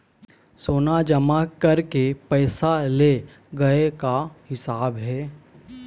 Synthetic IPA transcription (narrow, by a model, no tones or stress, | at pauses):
soːnad͡ʒɐmakɐɾkepɛːsale | ɡɐekahɪsaːbɦɛː